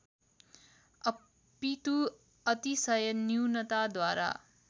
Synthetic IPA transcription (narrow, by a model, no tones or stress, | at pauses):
ʌ | pit̪u | ʌt̪isʌjʌniwnʌt̪ad̪waɾa̰